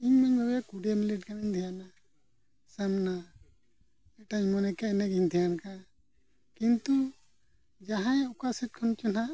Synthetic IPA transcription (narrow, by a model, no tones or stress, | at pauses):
iɲmaɲbabjakuɖemiliʈ̚kamiɲd̪ʱɛjana | samna | ɛʈaɲmɔnɛkaɛnɛɡiɲd̪ʱijanka | kint̪u | d͡ʒaɦãjɔkasɛt̚kʰɔnt͡ʃɔna